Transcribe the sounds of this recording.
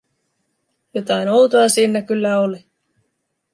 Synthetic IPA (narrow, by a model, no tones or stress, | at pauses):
jot̪ɑinowt̪oɑsiːnːækylːæoli